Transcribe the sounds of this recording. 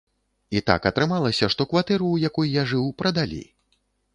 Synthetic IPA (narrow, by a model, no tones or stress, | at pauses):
it̪a̰kɐt̪ɾɨmalˠɐsʲɐʂt̪ɔkvat̪ɛɾuːjakujjaʐɨwpɾɐd̪alʲḭ